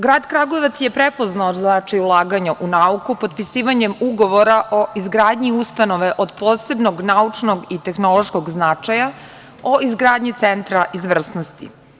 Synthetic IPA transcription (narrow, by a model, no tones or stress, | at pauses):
ɡɾaːd̪kɾaɡoeʋat̪sjepɾepoznaoznat͡ʃajulˠaːɡaɲaʔunaukupod̪pisiːʋaɲemuɡo̞ʋo̞ɾaʔo̞izɡɾaːd̪ɲiust̪ano̞ʋeʔod̪poːse̞bnoɡnaut͡ʂno̞ɡit̪e̞xnolˠo̞ʃkoɡznat͡ʂaja | oizɡɾaːd̪ɲit̪sent̪ɾaʔizʋr̩snost̪ḭ